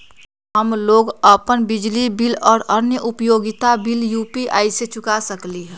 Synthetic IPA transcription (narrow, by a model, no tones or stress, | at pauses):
ɦəmloːɡəpənbɪd͡ʒlibilɔːɾənjəʔʊpjoːɡɪt̪abiljuːpiʔa̰ːiset͡ʃʊkasəkliɦɛ̃ː